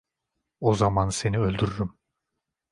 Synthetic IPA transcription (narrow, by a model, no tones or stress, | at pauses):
ozamanse̞niø̞lʲd̪yɾyɾym